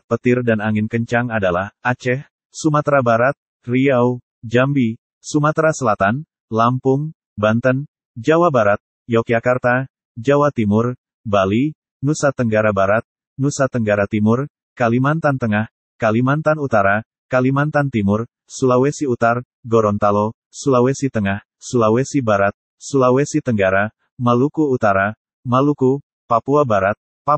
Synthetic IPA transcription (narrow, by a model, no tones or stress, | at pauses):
pət̪ɪrdanaŋɪnkəɲt͡ʃaŋadalahat͡ʃɛh | sumat̪ɾabaɾat̪̚ | riaw | d͡ʒambi | sumat̪ɾasəlat̪an | lampʊŋ | bant̪ən | d͡ʒawabaɾat̪̚ | jawkiakart̪a | d͡ʒawat̪imʊr | bali | nusat̪əŋɡaɾabaɾat̪̚ | nusat̪əŋɡaɾat̪imʊr | kalimant̪ant̪əŋah | kalimant̪anut̪aɾa | kalimant̪ant̪imʊr | sulawɛsiut̪ar | ɡɔɾɔnt̪alɔ | sulawɛsit̪əŋah | sulawɛsibaɾat̪̚ | sulawɛsit̪əŋɡaɾa | malukuːt̪aɾa | maluku | papuabaɾat̪̚ | pa